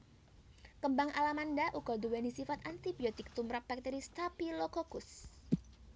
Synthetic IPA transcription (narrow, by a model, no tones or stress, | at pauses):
kəmbaŋʔalamandaʔuɡɔduwɛnisifat̪ant̪ibiɔt̪ɪk̚t̪umɾap̚bak̚t̪eɾist̪apilokokʊs